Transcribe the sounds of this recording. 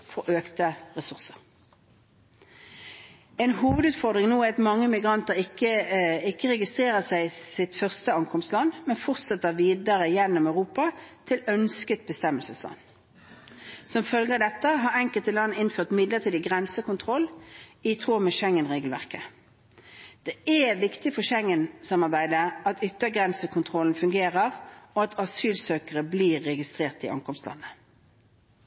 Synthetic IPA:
fɔʁʔøːkt̪əʁɛsʉʁsəʁ | ɛːnhuːʋəd̪ʉːt̪fɔʁd̪ʁɪŋnoːæɑt̪mɑŋːəmɪɡʁɑnt̪əʁɪkːəɪkːəʁɛɡɪst̪ʁeːʁəsæɪsɪt̪fœʁst̪əɑŋkʰɔmst̪lɑnmɛnfɔʁt̪sɛt̪ːəʁʋiːd̪əʁəjɛnːɔmœʉʁuːpɑt̪ʰɪlœnskət̪̚bəst̪ɛmːəlsəslɑ̰n | sɔmfœlɡəd̪ɛt̪ːəɦɑʁɛŋkəlt̪əlɑnːəɪnføːʁt̪mɪd̪lət̪ʰiːd̪əɡʁɛnsəkʊnt̪ʰʁɔlɪt̪ʰʁoːmɛʃɛŋːənʁeːɡəlʋæ̰ʁkə | d̪̥ɛɛʋɪkt̪ɪfɔʃɛŋːənsɑmɑʁbæɪd̪əɑt̪ʏt̪ːəɡʁɛnsəkʰʊnt̪ʰʁɔln̩fʉŋɡeːʁəʁɔɑt̪ʰɑsyːlsøːkəʁəbliːʁːɛɡɪst̪ʁeːʁt̪ɪ̰ʔɑ̰ŋkɔmslɑ̰nːə

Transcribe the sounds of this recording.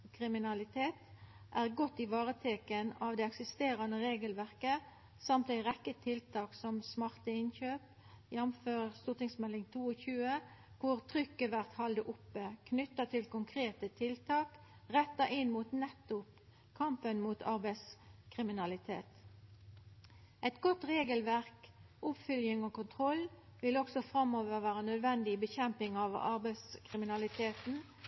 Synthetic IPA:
kʰʁɪmɪnɑlɪt̪ʰeːt̪ | ʔæːʁɡɔt̪ːɪʋɑːʁət̪ʰeːkənɑːʋd̪ɛɛksɪst̪eːʁɑnəʁeːɡəlʋæʁkə | sɑmt̪æɪʁɛkːət̪ʰɪlt̪ʰɑːksɔmsmɑʁt̪əɪnçøːp | jɛmføːʁst̪uːʁt̪ɪŋsmɛlɪŋt̪ʰuːoçʉːə | kʰʊʁt̪ʰʁʏkːəʋæʁt̪hɑld̪əʔʊpːəkʰnʏt̪ːɑt̪ʰɪlkʊŋkʰʁeːt̪ət̪ʰɪlt̪ʰɑːkʁɛt̪ːɑʔɪnmuːt̪nɛt̪ːʊp | kʰɑmpənmuːt̪ʰɑʁbæɪskʰʁɪmɪnɑlɪt̪ʰḛːt̪ | ʔɛt̪ɡɔt̪ʁeːɡəlʋæʁkʔʊpfʏljɪŋoːkʊnt̪ʰʁɔlːʋɪlɔksɔfʁɑmoːʋəʋæːʁənœd̪ʋɛnd̪ɪbəçɛmpɪŋɑʋɑ̰ʁbæɪskʰʁɪmɪnɑlɪt̪ʰeːt̪n̩

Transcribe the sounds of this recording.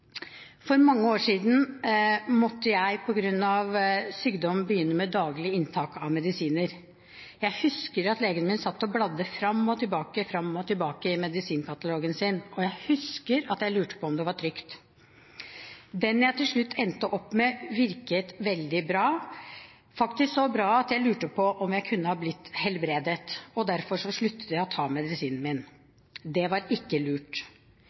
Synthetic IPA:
fɔɾmɑŋːəoːʂiːd̪n̩ | mɔt̪ːəjæɪpʰɔɡɾʉnːɑʋsyːɡd̪ɔmbəjʏnːəmɛd̪ɑːɡlɪəɪnt̪ʰɑːkɑʋmɛd̪ɪsiːnəɾ | jæɪhʉskəɾɑt̪leːɡənəmɪnsɑt̪ːɔblɑd̪ːəfɾɑmːɔt̪ʰɪlbɑːkəfɾɑmːɔt̪ʰɪlbɑːkəɪmɛd̪ɪsiːnkɑt̪ɑloːɡənsɪnɔjæɪhʉskəɾɑt̪jæɪlʉːʈə̥pʰɔɔmd̪ɛʋɑʈʰɾʏkt̪ | d̪ɛnjæɪt̪ʰɪlʂɭʉt̪ːɛnt̪əʔɔpːmɛʋɪɾkət̪ʋɛld̪ɪbɾɑː | fɑkt̪ɪsksɔbɾɑːɑt̪jæɪlʉːʈəpʰɔʔɔmjæɪkʰʉnːəhɑːblɪt̪ːhɛlbɾeːd̪ət̪ɔd̪æɾfɔʂɔʂɭʉt̪ːə̥t̪jæɪɔt̪ʰɑːmɛd̪ɪsiːnn̩mɪn | d̪ɛʋɑɾɪkːəlʉːʈ

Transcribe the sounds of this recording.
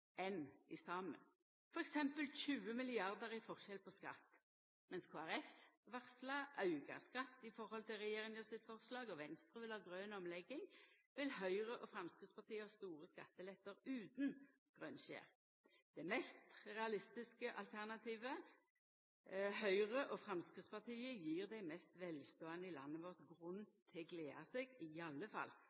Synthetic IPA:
ɛnɪsɑːmə̰n | fɔʁɛksɛmpəlçʉːəmɪlɪɑʁd̪əʁɪfɔʁʃɛlpʰɔskɑ̰t̪ː | mɛnskʰoːæʁɛfʋɑʁslɑʔɑʉɡɑ̰skɑt̪ːɪfɔʁhɔlt̪ʰɪlʁɛjeːʁɪŋjəsɪt̪fɔʁslɑːɡɔʋɛnst̪ʁəːʋɪlhɑːɡʁøːnɔmlɛɡːɪŋ | ʋɪlhœʏʁəʔɔfɾɑmskʁɪt̪spɑt̪ʰiːəɔst̪uːʁəskɑ̰t̪ːəlɛt̪ːəʁʉːt̪n | ɡ̥ʁœnɕḛːʁ | d̪̥ɛɪmɛst̪ʁɛɑlɪst̪ɪskəʔɑlt̪ʰæʁnɑt̪ʰiːʋə | hœʏʁəʔɔfʁɑmskʁɪt̪spɑʁt̪ʰiːəjiːʁd̪æɪmɛst̪ʋɛlst̪oːənəɪlɑ̰nːəʋɔʁt̪ɡʁʉnːt̪ʰɪɡleːɑseɡɪɑlːəfɑ̰l

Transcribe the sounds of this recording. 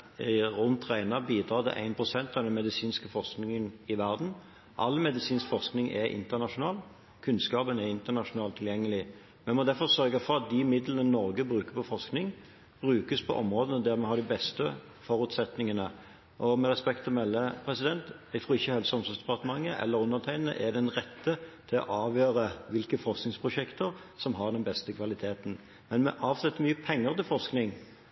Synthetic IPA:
ʁʉnt̪ʰʁæɪnɑʁbiːd̪ɾɑːt̪ʰɪ̰ʔæ̰ɪnpʰʁʊsɛnt̪ɑʋd̪ɛnmɛd̪ɪsiːnskəfɔʁsknɪŋənɪʋæʁd̪n̩ | ʔɑ̰lːmɛd̪ɪsiːnskfɔʁsknɪŋʔɛɾʔɪ̰nt̪əʁnɑʂʊnɑːl | kʰʉnskɑːpənæɾɪnt̪ənɑʂʊnɑːlt̪ʰːɪljɛŋːəlɪ | mɛnmɔd̪æfɔʁsœʁɡəfɔɾɑt̪̚d̪ɪmɪd̪lənənɔɾɡəbʁʉːkəpʰɔfɔʁsknɪŋ | b̥ɾʉːkəspʰɔ̰ʔɔmʁoːd̪ənəd̪æʁmɛhɑːd̪ɪbɛst̪ə | fɔɾʉt̪sɛt̪nɪŋənə | ʔɔmɛʁɛspɛkt̪fɔmɛlːəpʰɾɛsɪd̪ɛnt̪ | æɡt̪ʁuːɪçːəhɛlsɔmsʊsd̪ɛpɑʁt̪əmɑŋːəʔɛ̰lːəɾʉnət̪ʰæɪnənə̰ʔæd̪ɛnʁɛt̪ːət̪ʰɪlɔ̰ʔɑːʋjøːɾəʋɪlkəfɔɾʁsknɪŋspʰʁʊʂɛkt̪əʁ | sɔmɦɑʁd̪ɛnbɛst̪əkʰʋɑlɪt̪ʰeːt̪n̩ | mɛnmɛ̰ʔɑːʋsɛt̪ːəɾmyːəpʰɛŋːəʁt̪ɪlfɔʁsknɪŋ

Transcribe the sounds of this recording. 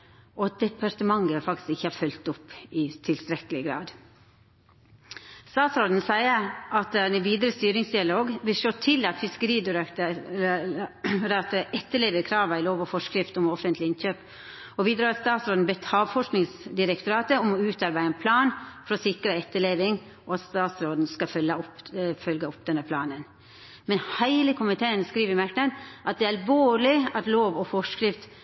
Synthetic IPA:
ʔɔɑt̪̚d̪ɛpʰɑɾt̪əmɑŋɡəfɑkt̪ɪ̥skɪçːəhɑɾfœlt̪ʊpːɪt̪ʰɪlst̪ɾɛkəlɪɡɾɑ̰ːd̪ | st̪ɑːt̪sɾoːd̪n̩sæɪəʔɑt̪d̪ɛʋiːd̪əɾəst̪yːɾɪŋsd̪ɪɑloːɡʋɪlʃoːt̪ʰɪlɑt̪fɪskəɾiːd̪ɾ | ɾɑt̪ʔɛt̪ːəɭeːʋəɾkʰɾɑːʋæɪloːʋɔfɔʂkɾɪft̪ɔmɔfənt̪ʰlɪɪnçøːp | ɔbiːd̪ɾɑːɾɑt̪st̪ɑːt̪sɾoːd̪n̩bɛt̪ːʰɑːʋfɔʂknɪŋsd̪ɪɾɛkt̪ʊɾɑːt̪əɔmɔʉːt̪ɑɾbæɪɛnpʰlɑːnfɔɾɔsɪkɾəɛt̪ːəɭeːʋɪŋ | ɔɑt̪st̪ɑːt̪sɾoːd̪n̩skɑfœlːəɔpfœlɡəɔpd̪ɛnəpʰlɑːnən | mɛnhæɪləkʰʊmɪt̪ʰeːənskɾiːʋəɾmæknəd̪ʔɑt̪̚d̪ɛɑlʋoːɭɪɑt̪loːʋɔfɔʂkɾɪft̪

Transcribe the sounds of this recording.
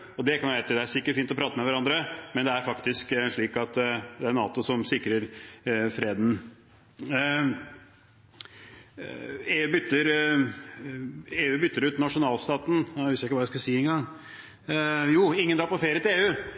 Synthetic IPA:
ɔd̪ɛkʰɑnjæʋæɾt̪ʰɪd̪ɛæɾsɪkːəʈfiːnt̪ɔpɾɑːt̪əmɛʋæɾɑnd̪ɾəmɛnd̪ɛæɾfɑkt̪ɪskʂɭiːkɑt̪d̪ɛɛɾnɑ̰ːt̪ʊsɔmsɪkɾəɾfɾeːd̪n | eːʉːbʏt̪ːəɾ | eːʉːbʏt̪ːəɾʉːt̪nɑʂʊnɑːlst̪ɑːt̪n̩hʉst̪æɪkːʋɑɾjæskʉlsiːɛŋɡɑŋ | juːɪŋːənd̪ɾɑːpɔfeːɾət̪ɪleːʉː

